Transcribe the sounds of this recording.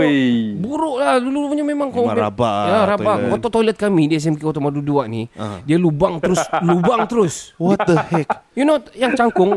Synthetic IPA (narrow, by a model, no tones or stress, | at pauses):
buɾʊʔladulupuɲamemãŋkomeabajaɾabaʔkɔt̪ɔʔt̪ɔlət̪̚kamidias̬ɛmkikɔt̪ɔmaduduaʔnḭdialubaŋt̪əɾʊslubaŋt̪əɾʊswɔt̚d̪əhɛkjunojaŋt͡ʃaŋkʊŋ